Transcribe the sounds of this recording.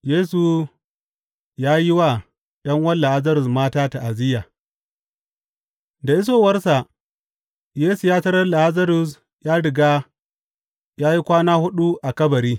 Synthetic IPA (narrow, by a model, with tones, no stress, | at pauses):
jeː˦su˨ | jaː˦ji˦wa˨ | ɗɐ˦ŋwɐ˦lːa˨ʔa˦zɐ˦ɾʊ˨smaː˦taː˦ta˨ʔa˨zɪ˦jaː˨ | da˨ʔɪ˦s̬oː˨wɐ˦rsa˨ʔ | jeː˦su˨jaː˦tɐ˦ɾɐ˦rla˨ʔa˦zɐ˦ɾʊ˨s | jaː˦ɽɪ˨ɡaː˦ | jaː˦ji˦kʷaː˦naː˦hʊ˦ɗu˦ʔa˨kɐ˦bɐ˨ɾiː˦